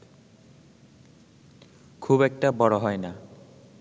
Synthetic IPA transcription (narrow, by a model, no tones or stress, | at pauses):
kʰubɛk̚ʈabɔɽɔɦɔjna